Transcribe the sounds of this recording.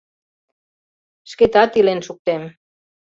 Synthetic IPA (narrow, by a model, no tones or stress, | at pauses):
ʃket̪at̪ilensuk̚t̪em